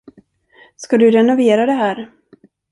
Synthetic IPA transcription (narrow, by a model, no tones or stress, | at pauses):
skad̪ɵɾɛnʊveːɾad̪ɛɦæːɾ